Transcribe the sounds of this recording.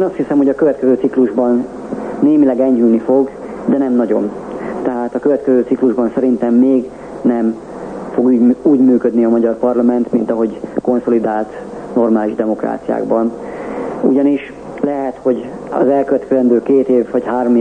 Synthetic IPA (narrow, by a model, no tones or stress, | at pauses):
eːnɒst̪hisɛmho̞ɟɒkøvɛt̪kɛzøːt̪sikluʒbɒnː | eːmilɛɡɛɲːylnifo̞ɡ | d̪ɛnɛmnɒɟo̞n | t̪ɛɦaːt̪ɒkøvɛt̪kɛzøːt̪sikluʒbɒnsɛɾint̪ɛmːeːɡ | nɛm | fo̞ɡyuːɟmyːkød̪niɒmɒɟɒrpɒrlɒmɛnt̪mint̪ɒɦo̞ɟko̞nso̞lid̪aːlt̪ | no̞rmaːliʒd̪ɛmo̞kra̰ːt̪sija̰ːɡbɒn | uɟɒniʃ | lɛɦɛt̪ho̞ɟ | ɒ̰zɛlkøvɛt̪kɛzɛnd̪øːkeːt̪eːvːɒchaːrm